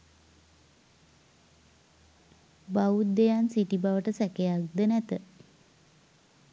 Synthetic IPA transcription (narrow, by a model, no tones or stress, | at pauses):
baud̪ejansiʈibaʋəʈəsækejak̚d̪ənæt̪ə